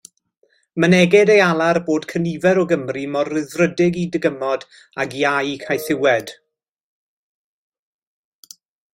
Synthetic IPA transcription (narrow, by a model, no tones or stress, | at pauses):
mənɛɡɪdejalˠarboːd̥kʰənivɛɾɔɡəmrimɔrɪðrədɪɡidɪɡəmɔd | aɡjajkʰajθɪwɛd̥